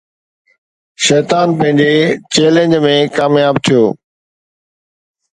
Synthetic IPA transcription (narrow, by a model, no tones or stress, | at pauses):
ʃɛːt̪aːnpɐ̃ɦɪ̃ɲd͡ʑet͡ɕeːlẽɲd͡ʑmẽkaːmjaːb̚t̪ʰijoː